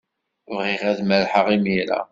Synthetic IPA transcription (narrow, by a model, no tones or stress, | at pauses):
vʁiʁæðmæɾħəʁimiɾa̰